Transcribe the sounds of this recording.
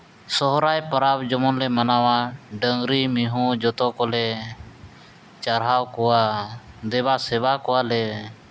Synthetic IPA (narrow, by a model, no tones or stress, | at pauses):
sɔɦɾajpəɾabd͡ʒɔmɔnlɛmanawaɖəŋɡɾimiɦũd͡ʒɔt̪ɔkɔlɛ | t͡ʃaɾɦawkɔwad̪ɛbasɛbakɔwalɛ